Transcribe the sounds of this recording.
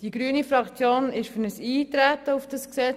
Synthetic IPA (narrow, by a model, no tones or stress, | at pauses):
d̥iɡ̥ɾyənifɾɑkt͡sjoːnɪʃfɵnəsiːt̪ɾæt̪əufd̥ɑsksɛ